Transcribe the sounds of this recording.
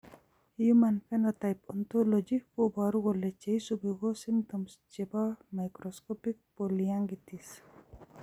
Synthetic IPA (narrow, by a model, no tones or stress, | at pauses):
jumanpenat̪ajpɔnt̪olod͡ʒikobaɾuɣolet͡ʃejsubiɡosimt̪ɔmsd͡ʒebamajkɾoskopik̚polijaŋɡit̪is